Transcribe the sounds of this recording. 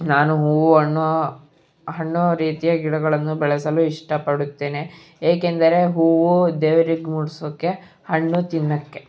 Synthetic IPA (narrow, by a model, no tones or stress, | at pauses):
naːnuɦuːʋuɦɐɳː | ɦɐɳːuɾiːt̪ijɐɡiɽɐɡɐɭɐnːubɛɭɐsɐluiʂʈɐpɐɽut̪ːe̞ːne | eːkend̪ɐɾe̞ɦuːʋud̪eːʋɐɾiɡmuːɽisoːkːe̞ | hɐɳːut̪inːɐkːe̞